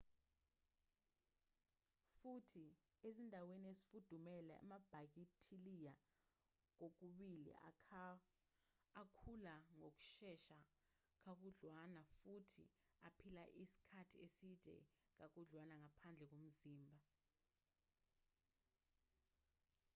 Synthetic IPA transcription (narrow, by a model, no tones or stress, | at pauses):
futʰi | ezindʱaweniesi̥fud̥ʱumɛla̰a̰mab̥ʱak̬itʰilija | k̬ok̬uɓilḭ | akʰulaŋok̬u̥ʃɛʃa | k̬ak̬uɮwanafutʰḭ | apʰilaʔisi̥kʰatʰiesitʼɛ̰k̬ak̬uɮwanaŋapʰand͡ɮʱɛk̬om̩ziːmbʱa